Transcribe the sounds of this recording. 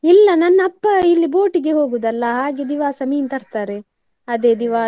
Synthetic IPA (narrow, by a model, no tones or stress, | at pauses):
ilːɐnɐnːɐɐpːɐilːibo̞ːʈiɡe̞ɦo̞ːɡud̪ɐlːɐɦaːɡed̪iʋaːsɐmint̪ɐɾt̪aːɾe | ɐd̪eːd̪iʋaː